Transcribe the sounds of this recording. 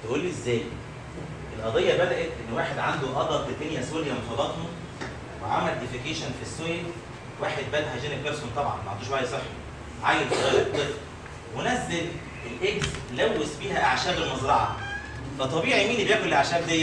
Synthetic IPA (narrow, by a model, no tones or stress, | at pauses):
t̪eʔuːlːiezːæːj | ʔelʔɑd̪ˤejːɑbæd̪æʔæt̪ʔenːwaːħed̪ʕand̪oʔɑd̪ˤɑed̪enjæsweljæmenfɑbɑt̪hom | wḛʕa̰mːæɾd̪ifekeːʃænfisːojel | waːħed̪̚bæːd̪hæʒæːnekeɾsont̪ˤɑbʕɑ̰nmæʕand̪uʃʔæːjsˤeħːi | ʕajelsɑɣæjɾt̪ːˤef | wenæzːel | elʔeɡslæwːesbiːhæʔaʕʃæːbelmɑzɾˤɑʕɑ̰ | fæt̪ˤːɑbiːʕijmiːnibejæːkonlelʔaʕʃæːbd̪ejːæ